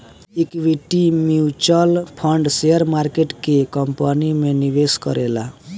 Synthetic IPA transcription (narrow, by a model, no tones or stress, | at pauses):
ikʋiʈimiut͡ʃɔlpʰʌɳɖsejʌɾmaɾkeʈkekʌmpanimenibeskʌ̰ɾela